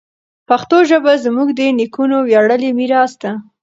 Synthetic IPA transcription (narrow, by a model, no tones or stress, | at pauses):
paxt̪oʒəbazmuɡd̪ənikunowjaɽəlimiɾɑsd̪a